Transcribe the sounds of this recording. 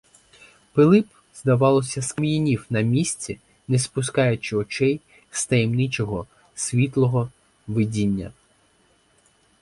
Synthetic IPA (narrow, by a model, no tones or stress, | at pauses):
pɪlˠɪp | z̥d̪ɐʋɑlˠɔsʲɐsmijinʲiwnɐmʲisʲt͡sʲi | nespʊskɑjʊt͡ʃɪɔt͡ʃɛj | st̪ɐjimnɪt͡ʃɔɦɔ | sʲʋʲit̪lˠɔɦɔ | ʋɪdʲinʲːɐ̰